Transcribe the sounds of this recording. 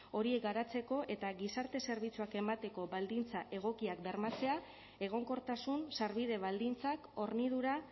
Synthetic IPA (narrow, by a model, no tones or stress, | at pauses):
o̞ɾie̞k̚ɡaɾat͡se̞ko̞ʔe̞t̪aɣisaɾt̪e̞se̞ɾβ̞it͡suake̞mat̪e̞ko̞βald̪int͡saʔe̞ɣ̞o̞kiakbeɾmat͡se̞a | e̞ɣ̞o̞ŋko̞ɾt̪asunsaɾβ̞ið̞e̞β̞ald̪int͡sako̞ɾnið̞uɾa